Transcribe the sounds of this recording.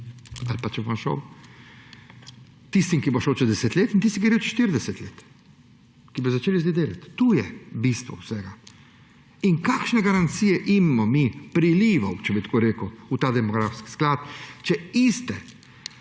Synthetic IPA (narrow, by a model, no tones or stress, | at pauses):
alpat͡ʃɛbomʃɔ̰w | t̪ist̪imkiboʃɔwt͡ʃɛzd̪ɛsɛt̪leːt̪int̪ist̪ikiɾewt͡ʃɛ̥ʃt̪iɾd̪ɛsɛt̪leːt̪ | kibɔzat͡ʃeːlizd̪id̪eːla̰t̪ːuːjɛbist̪ʋɔ̰wsɛɡa | inkaːkʃnɛɡaɾant̪siːjɛʔimːɔmipɾiliːʋawt͡ʃɛbit̪koːɾeːkuut̪aːd̪ɛmɔɡɾaːfski̥sklaːt̪t͡ʃɛist̪ɛ